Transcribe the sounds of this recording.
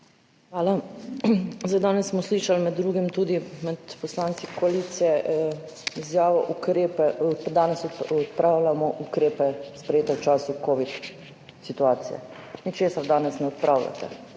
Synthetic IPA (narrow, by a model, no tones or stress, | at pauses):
xʋaːla | zajd̪aːnɛsːmɔsliːʃalmɛd̪ːɾuːɡimt̪uːd̪imɛt̪pɔslaːnt̪sikɔaliːt̪sijɛʔizjaːʋɔʔukɾeːpɛd̪aːnɛsɔt̪pɾaːwlamɔʔukɾeːpɛspɾɛjeːt̪ɛwt͡ʃaːsukoːʋit̪ | sit̪uaːt̪sḭjɛ̰ | nit͡ʃeːsaɾd̪aːnɛsnɛɔt̪̚pɾʔaːwla̰t̪ɛ̰